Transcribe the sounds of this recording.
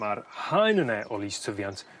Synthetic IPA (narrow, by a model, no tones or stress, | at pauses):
arhajnənɛʔɔlistʰəvjantʰ